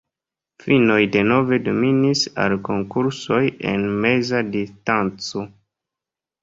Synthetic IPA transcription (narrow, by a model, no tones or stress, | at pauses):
fino̞jde̞no̞ve̞do̞minisa̰lkoŋkuɾso̞je̞̰nme̞zadistant͡so̞